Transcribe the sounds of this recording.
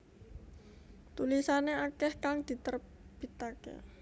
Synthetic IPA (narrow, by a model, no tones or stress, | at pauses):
t̪ulisaneakɛhkaŋd̪̥i̤t̪ər | b̥it̪akḛ